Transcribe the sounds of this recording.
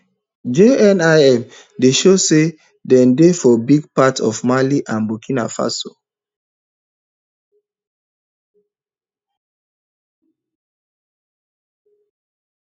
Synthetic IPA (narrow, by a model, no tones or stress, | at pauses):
d͡ʒeɛnaɛm | deʃose | dɛ̃ndefɔbiɡpatʰɔvmaliʔãnbukĩnafa̰so